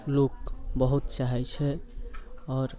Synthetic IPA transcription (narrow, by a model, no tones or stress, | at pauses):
lokbəɦut̪t͡ʃaɦɛt͡ʃʰɛ | ɔːɾ